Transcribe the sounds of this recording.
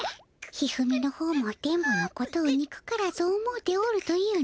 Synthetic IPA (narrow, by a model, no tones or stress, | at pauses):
çihɯ̟mʲino̞ho̞ːmo̞t̪ẽ̞mboako̞t̪oːɲ̟ikɯ̟̥kaɾaso̞ːmot̪e̞oɾɯ̟t̪o̞jɯ̟ː